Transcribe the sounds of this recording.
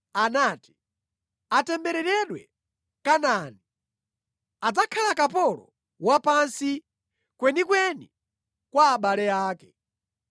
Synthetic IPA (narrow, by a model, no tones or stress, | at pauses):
anaːti̥ | atɛmbɛɾɛɾɛɗwɛ | kanani | ad͡zakʰalakapɔlɔ̰ | wapansi | kwɛnikwɛni | kwaːɓalɛaːkɛ